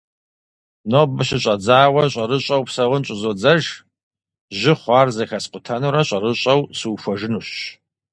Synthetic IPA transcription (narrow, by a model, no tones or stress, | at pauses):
noːbɨɕɪɕʼɐd͡zaːwɐɕʼɐɾɨɕʼɐwpsɐʁʷʊnɕʼɪzoːd͡zɐʒ | ʑɪχʷɑːrzɐxɐsqʷʊtʰɐnuɾɐɕʷʼɐɾɨɕʼɐwsɨwfʷɔʒɨnuɕɕ